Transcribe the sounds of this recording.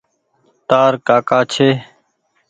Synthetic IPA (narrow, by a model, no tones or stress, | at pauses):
t̪aːɾkaːkaːt͡ʃʰeː